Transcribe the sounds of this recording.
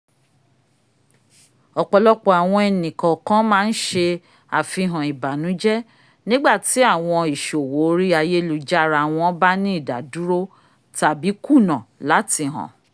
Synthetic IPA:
ɔ˨k͡pɔ˧lɔ˦k͡pɔ˧a˨w̃ɔ̃˧ɛ˨nĩ˨kɔ̃˨kã˦mãː˦˧n̩˦ʃe˧ | a˨fĩ˧ɦã˨i˨ba˨nũ˨˦d͡ʒɛ˦ | nĩ˦ɡ͡ba˦˨ti˨˦a˦˨w̃ɔ̃˧i˨ʃo˨wo˨˦ɾi˦a˧je˦lu˧d͡ʒa˦ɾa˧˨w̃ɔ̃˧˦ba˦nĩ˦i˦˨da̰˨du˨˦ɾo˦ | ta˨bi˨˦ku˦˨nã˨la˨˦ti˧ɦɔ̰̃˨

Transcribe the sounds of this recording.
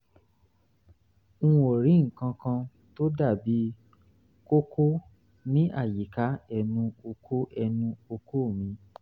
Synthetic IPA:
o˨ɾĩ˨˦ŋ̩˨kã˧kã˧ | to˦da˦˨bi˨˦ | ko˦ko˦ | nĩ˦ʔa˦˨ji˨ka˨˦ɛ˧nũ˧o˧kʰo˦ʔɛ˧nũ˧o˧ko˦˨mĩ˧

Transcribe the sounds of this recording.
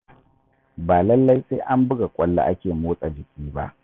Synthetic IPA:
baː˨lɐ˦lːa˦jse˦ʔa˦mbʊ˦ɡa˨kʷʼɔ˦lːa̰˦ʔa˦kʲeː˨moː˦sʼa˨d͡ʒɪ˨kʲiː˦ba̰˦ʔ

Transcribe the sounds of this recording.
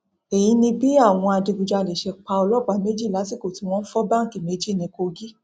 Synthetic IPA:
e˨j̃ĩ˧˦nĩ˧bi˦a˦˨w̃ɔ̃˧a˧di˧ɡu˧d͡ʒa˧le˨ʃɛ˧k͡pa˧ɔ˧lɔ˦˨ɡ͡ba˨˧˦me˦d͡ʒi˦˨la˨˦si˦ko˨ti˧˦˧w̃ɔ̃˦n̩˦fɔ˦bã˦ŋ̩˨ki˨me˨˦d͡ʒi˦˨nĩ˧˦ko˧ɡi˦

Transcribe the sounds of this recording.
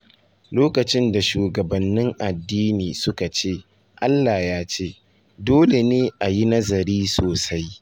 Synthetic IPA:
loː˦kɐ˨t͡ʃɪ˦nda˨ʃuː˨ɡɐ˨bɐ˨nːɪ˦ŋʔa˨dːiː˦niː˨sʊ˦ka˨t͡ʃeː˦˨ | ʔa˦lːaː˨jaː˦t͡ʃeː˦ | doː˦le˨neː˦ʔa˨ji˦nɐ˦zɐ˨ɾiː˦soː˨sa˦j

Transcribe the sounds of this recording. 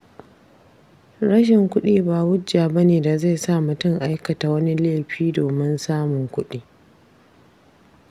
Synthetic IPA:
ɽɐ˦ʃ̬ɪ˨ŋkʷʊ˦ɗiː˦baː˨wʊ˦d͡ʒaː˨bɐ˦neː˨da˨za˦˨jsa˦˨mʊ˨tʊ˦ŋʔa˦jkɐ˨ta˨wɐ˦ni˦leː˦˨ɸiː˦doː˨mɪ˦nsaː˦mʊ˨ŋkʷʊ˦ɗiː˦

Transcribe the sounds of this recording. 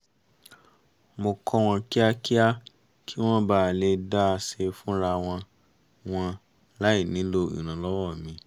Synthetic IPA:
mo˧kʰɔ˦w̃ɔ̃˧ki˦a˦ki˦a˦ | kʰi˦w̃ɔ̃˦baː˦˨le˧da˦a˧se˧fũ˦ɾa˧w̃ɔ̃˧ | w̃ɔ̃˧ | la˨˦i˦˨nĩ˨˦lo˧ḭ̃˨ɾ̃ã˨lɔ˦wɔ˦˨mĩ˧˦

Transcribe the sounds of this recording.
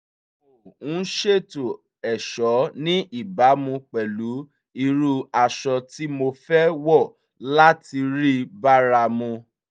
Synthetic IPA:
o˨ũ˨˦ʃe˦˨to˨ | ɛ˨ʃɔ˨˦nĩ˦ʔi˦˨ba˨˦mũ˧k͡pɛ˨lu˨˦ | i˧ɾu˧a˧ʃɔ˧ti˦mo˧fɛ˦wɔ˦˨ | la˦ti˧ɾi˦ba˦ɾa˧mũ˧

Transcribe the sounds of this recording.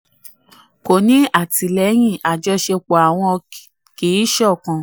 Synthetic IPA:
ko˨nĩ˨˦a˦˨ti˨lɛ˨˦j̃ĩ˦˨ʔa˨d͡ʒɔ˧˦ʃe˧k͡pɔ˨a˨w̃ɔ̃˧ | kiː˨˦ʃɔ˦˨kã˧

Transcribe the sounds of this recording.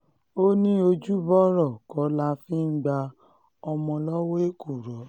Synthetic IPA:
o˦nĩ˦o˧d͡ʒu˦bɔ˦ɾɔ˦˨kɔ˨˦la˧˦fĩ˦ŋ̩˦ɡ͡ba˧ | ɔ˧mɔ̃˧lɔ˦we˦e˦ku˦˨ɾɔ˨˦

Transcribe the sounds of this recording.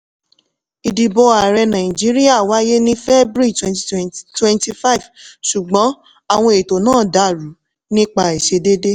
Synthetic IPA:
i˨di˨bo˧a˨ɾɛ˧nã˨ĩ˨d͡ʒi˨˦ɾi˦a˦˨wa˨˦je˦nĩ˦fɛ˦bɾi˦˨twɛ̃˧nti˧twɛ̃˧nti˧fa˦i˨vʃu˨ɡ͡bɔ̃˨˦ | a˨w̃ɔ̃˧e˨to˨nãː˦˨da˧˨ɾu˨˦ | nĩ˦k͡pa˧i˨ʃe˧de˦de˦

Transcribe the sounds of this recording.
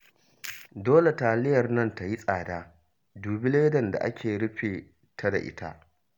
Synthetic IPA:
doː˦le˨taː˨lɪ˦jɐ˨rnɐ˦nta˨ji˦sʼaː˨daː˦ | duː˨bɪ˦leː˦dɐ˨nda̰˨ʔa̰˦kʲeː˨ɽɪ˦ɸeː˨ | tʰa˦da̰˨ʔɪ̰˦ta̰˦ʔ

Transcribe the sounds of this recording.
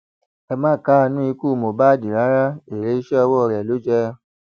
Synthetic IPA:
ɛ˧mãː˦˨ka˦˧nũ˦i˧ku˦˨mo˨ba˦˨di˨ɾa˨˦ɾa˦e˨ɾe˨˦i˦ʃɛ˦ɔ˧wɔ˦˧ɾɛ˨lo˨˦d͡ʒɛ˦

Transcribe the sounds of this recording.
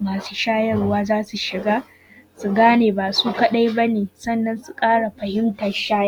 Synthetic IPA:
maː˨su̥˦ʃaː˦jɐ˦rʊ˦waː˦zaː˦su˨ʃɪ˨ɡaː˦ | su˨ɡaː˦neː˨baː˨suː˦kɐ˦ɗa˦jbɐ˦neː˨sɐ˦nːɐ˦nsu˨kʼaː˦ɽa˨ɸɐ˨hɪ˦mtɐ˨nʃaː˦jɐ˦˨

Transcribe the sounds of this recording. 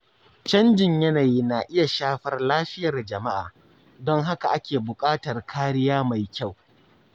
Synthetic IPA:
t͡ʃɐ˦nd͡ʒɪ˨ɲjɐ˦naː˨jiː˦na˨ʔɪ˦ja˨ʃaː˦ɸɐ˨rlaː˦ɸɪ˦jɐ˨rd͡ʒɐ˨ma˦ʔa̰ː˨ | dɔ˦ŋɦa˦ka˨ʔa˦kʲeː˨bʊ˨kʼaː˦tɐ˨rkʰaː˦ɾɪ˦jaː˦ma˨jkʲa˦˨w

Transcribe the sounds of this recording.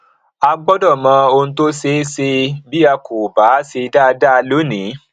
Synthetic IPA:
a˧ɡ͡bɔ˦dɔ˦˨mã˧˦o˧n̩˦to˦se˦se˧bi˦a˧ko˨ba˨˦se˧da˦˧da˦˧lo˨˦nĩ˨˦

